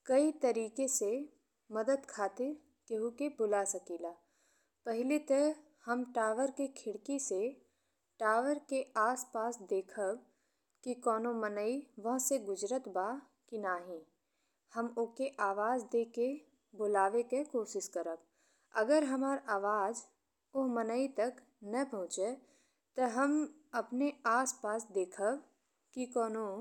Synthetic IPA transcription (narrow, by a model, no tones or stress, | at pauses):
kɐit̪ɐɾiːkese | mɐd̪əd̪kʰaːt̪ɪɾ | keɦukebʊlasɐkiːlaː | pɛɦɪlit̪ə | hɐmʈaːʋəɾkekʰɪɽkise | ʈaːʋəɾkeʔaːspaːsd̪eːkʰəb | kikɔːnomənəiʋɐɦseɡʊd͡ʒɾət̪ba | kinaːɦĩ | həmʊkeʔaːʋaːzd̪eːke | bolaːʋekekoːʃɪʃkəɾəb̚ | ɐ̰ɡəɾɦɐmaːɾaːʋaːd͡ʒ | ʊɦmənəit̪ɐk | nɐpɐɦʊ̃t͡ʃe | t̪ɐɦɐm | ɐpneaːspaːsd̪eːkʰəb | kikɔːno